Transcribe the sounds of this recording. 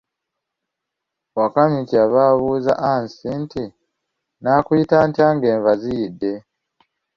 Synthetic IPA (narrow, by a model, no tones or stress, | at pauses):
wakamiciaβaβuːza̰ʔansintʰi | naːkwitaːntaːŋɡe̞ːɱvazijidːe̞